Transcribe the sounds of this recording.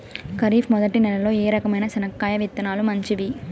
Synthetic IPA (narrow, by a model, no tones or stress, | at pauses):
kɐɾiːfmɔd̪ɐʈinɛlɐlo̞ːeːɾɐkɐmɐjnɐsɐnɐkːaːjɐʋit̪ːɐnaːlumɐɲt͡ʃiʋi